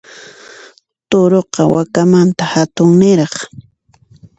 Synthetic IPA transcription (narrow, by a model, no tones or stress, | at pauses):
t̪oɾoqɑwakamant̪ahat̪ʊŋnɪɾɑχ